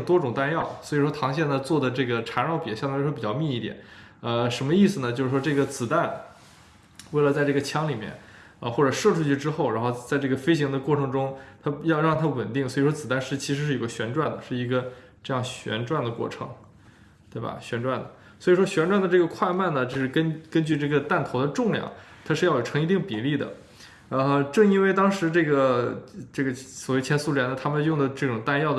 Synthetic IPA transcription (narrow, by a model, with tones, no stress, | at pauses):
t̪wɔ˥ʈ͡ʂʊ˨˩ŋt̪a˥njɑ˥˩ʊswɔ˧˥i˨˩ʂwɔ˥t̪ʰɑ˧˥ŋɕjɛ˥˩nd̪ə˧t͡swɔ˥˩d̪ə˩ʈ͡ʂɤ˥˩ɡə˩ʈ͡ʂʰa˧˥nɻɑ˥˩ʊpjɛ̰˨˧˥ɕɑ˥˧t̪a˥˩˥pi˨˩t͡ɕɑ˥˧ʊmi˥˧i˥˩t̪jɛ̰˨˩˦ə˧ʂə˧˥nmə˧i˥˩sɹ̩˩nə˩t͡ɕjo˥˧ʊʂɻ̩˥˩ʂwɔ˥ʈ͡ʂɤ˥˩ɡə˩t͡sɹ̩˨˩t̪a˥˩n | we˥˩ɪlə˩t͡sa˥˧ɪʈ͡ʂɤ˥˩ɡə˩t͡ɕʰjɑ˥ŋli˨˩mjɛ̰˥˩n | ə˧xwɔ˥˩ʈ͡ʂɤ˨˩ʂɤ˥˧ʈ͡ʂʰu˥˧t͡ɕʰy˥˧ʈ͡ʂɻ̩˥xo˥˩ʊɻa˧˥nxo˥˧ʊt͡sa˥˧ɪʈ͡ʂɤ˥˩ɡə˩fe˥ɪɕ̬i˧˥ŋd̪ə˧kwɔ˥˩ʈ͡ʂʰɤ˧˥ŋʈ͡ʂʊ˥ŋt̪ʰa˥jɑ˥˧ʊɻɑ˥˧ŋt̪ʰa˥wə˨˩nt̪i˥˩ŋswɔ˧˥i˨˩ʂwɔ˥t͡sɹ̩˨˩t̪a˥˧nʂɻ̩˥t͡ɕʰi˧˥ʂɻ̩˧˥ʂɻ̩˥˩jo˧˩ɡə˧ɕɥɛ˧˥nʈ͡ʂwa˥˩nd̪ə˩ʂɻ̩˥˩i˧˥ɡə˧ | ʈ͡ʂɤ˥˧jɑ˥˩ŋɕɥɛ̰˧˥nʈ͡ʂwa˥˩nd̪ə˩kwɔ̰˥˩ʈ͡ʂʰɤ̰˧˥ŋ | t̪we˥˩ɪbɐ̰˨˩ɕɥɛ˧˥nʈ͡ʂwa˥˩nd̪ə̰˩ | swɔ˧˥i˨˩ʂwɔ˥ɕɥɛ˧˥nʈ͡ʂwa˥˩nd̪ə˩ʈ͡ʂɤ˥˩ɡə˩kʰwa˥˧ɪma˥˩nə˩t͡ɕjo˥˧ʊʂɻ̩˥˩kə˥nkə˥nt͡ɕy˥˧ʈ͡ʂɤ˥˩ɡə˩t̪a˥˩nt̪ʰo˧˥ʊd̪ə˧ʈ͡ʂʊ˥˧ŋljɑ̰˥˩ŋ | t̪ʰa˥ʂɻ̩˥˧jɑ˥˩jo˨˩ʈ͡ʂʰɤ˧˥ŋi˧˥t̪i˥˩ŋpi˨˩li˥˩d̪ə̰˩ | ə˧ʈ͡ʂɤ˥˩ŋi˥nwe˥˩ɪt̪ɑ˥ŋʂɻ̩˧˥ʈ͡ʂɤ˥˩ɡə˩ʈ͡ʂɤ˥˩ɡə˩swɔ˨˩we˥˩ɪt͡ɕʰjɛ˥nsu˥ljɛ˧˥nd̪ə˧t̪ʰa˥mə˨n˥jʊ˥˩ŋd̪ə˩ʈ͡ʂɤ˥˩ʈ͡ʂʊ˨˩ŋt̪a˥˧njɑ˥˩ʊd̪